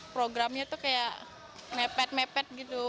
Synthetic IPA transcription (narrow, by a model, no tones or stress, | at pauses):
pɾoɡɾamɲat̪ukajaʔ | mɛpɛt̪̚mɛpɛt̪̚ɡit̪u